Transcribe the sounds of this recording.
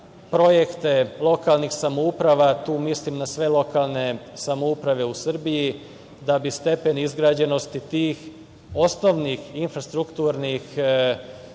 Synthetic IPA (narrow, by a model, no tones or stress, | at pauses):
pɾo̞jekt̪e̞lˠo̞kaːlˠnixsamoupɾaʋat̪uːmislimnasʋe̞lˠo̞kalˠne̞samoupɾaʋe̞usr̩biji | d̪abist̪e̞pe̞nizɡɾaːd͡ʑe̞no̞st̪it̪iːx | o̞sno̞ʋnixinfɾast̪ɾukt̪uɾnix